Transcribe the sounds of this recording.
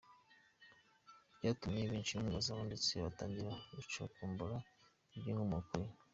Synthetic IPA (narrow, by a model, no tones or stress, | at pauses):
jatumɲeβiːnt͡ʃinuɡazaβandet͡seβataːɲɟiɾaβut͡ʃo̰kuːmbuɾa | iβjiŋɡumukuɾi